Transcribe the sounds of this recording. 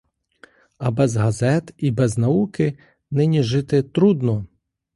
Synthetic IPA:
ɐbɛzɦɐzɛt̪ibɛznɐukɪ | nɪnʲiʒɪt̪ɪt̪ɾud̪nɔ

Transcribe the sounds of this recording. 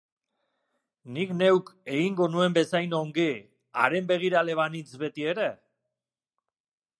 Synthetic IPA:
nikne̞wke̞ɣiŋɡo̞nue̞mbe̞sajnoŋɡi | a̰ɾe̞mbe̞ɣ̞iɾale̞β̞anit͡sβe̞t̪ie̞ɾe

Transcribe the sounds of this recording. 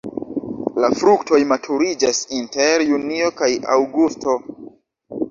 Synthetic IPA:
lafɾukto̞jmatʰuɾid͡ʒasinte̞ɾjunio̞kaja̰wɡusto̞

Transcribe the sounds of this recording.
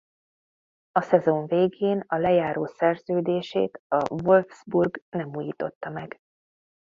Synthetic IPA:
ɒsɛzo̞ɱveːɡeːnɒlɛjaːɾoːsɛrzøːd̪eːʃḛːt̪ɒvolvz̥burɡnɛmuːjiːt̪o̞t̪ːɒmɛɡ

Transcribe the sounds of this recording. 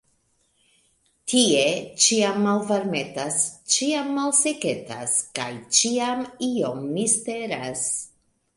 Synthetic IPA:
tʰiet͡ʃiamːalvaɾme̞tast͡ʃiamːalse̞ke̞ta̰ska̰jt͡ʃiamio̞mːiste̞ɾas

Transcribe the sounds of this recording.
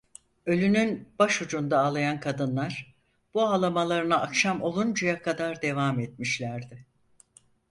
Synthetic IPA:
ø̞lʲynynb̥aʃud͡ʒund̪aːlˠajankʰad̪ɯnlˠaɾ | b̥uaːlˠamalˠaɾɯnaʔakʃamo̞lˠund͡ʒujakʰad̪aɾd̪e̞vamɛt̪̚miʃlʲæɾd̪ɪ

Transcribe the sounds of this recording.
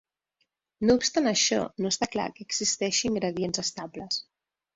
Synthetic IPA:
noupst̪anəʃɔ̰nost̪akla̰kəːɡzist̪ɛʃiːŋɡɾəð̞ienzəst̪abləs

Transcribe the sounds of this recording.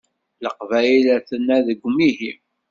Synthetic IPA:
ləqvæjilæθənːæðəɡʷmiɦim

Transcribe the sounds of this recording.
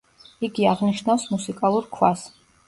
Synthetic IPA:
iɡiaʁniʃnafsmusikʼalˠuɾkʰwas

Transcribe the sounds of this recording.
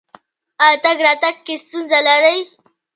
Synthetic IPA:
at̪aɡɾɑt̪aɡ̚kːest̪unzalaɾəj

